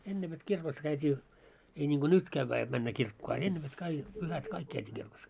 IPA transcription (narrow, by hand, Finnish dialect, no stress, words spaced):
enːe ʋet kirkos kæytʲiː ei nʲiŋɡ̊o nyt kæʋːæː jot mænːæ kirkːoː ɑ enːe ʋet kɑi pyhæt kɑik kæytiː kirkos